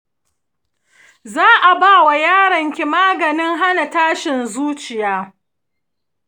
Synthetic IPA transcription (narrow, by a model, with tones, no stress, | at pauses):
zaː˦ʔa˨baː˦˨wa˨jaː˦ɽɐ˨ŋkʲi˨maː˦ɡɐ˨nɪ˦ŋɦa˦na˨taː˦ʃɪ˨nzuː˦t͡ʃɪ˨jaː˦